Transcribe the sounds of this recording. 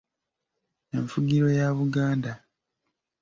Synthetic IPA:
e̞ɱfuɡiɾo̞jaβuɡaːnda

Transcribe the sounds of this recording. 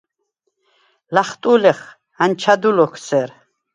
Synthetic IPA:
laχt̪ʼulɛχ | ant͡ʃʰad̪ulɔkʰsɛɾ

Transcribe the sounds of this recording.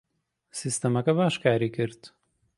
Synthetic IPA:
sʲɪsʲt̪ʲɛmɐkɐbaːʃkaːɾʲikʲɪɾt̪

